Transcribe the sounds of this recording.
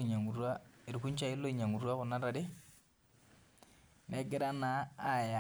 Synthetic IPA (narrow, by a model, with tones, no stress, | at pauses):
ɲa˨ŋu˨rwa˦e˨ɾu˨ku˦ɲ˦t͡ʃa˦ɪ˦lo˦i˨ɲa˨ŋu˨rwa˦kʊ˨na˦ɾa˨dɪ˦ | nɛ˨˦ɡɪ˦ɾa˦naː˨˦˨ja˨